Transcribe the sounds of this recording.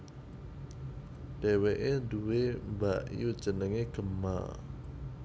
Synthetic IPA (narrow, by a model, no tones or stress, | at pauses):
ɖ̥ɛweʔeduwembaʔju̥ʒ̥ənəŋeɡ̥ə̤mːa̰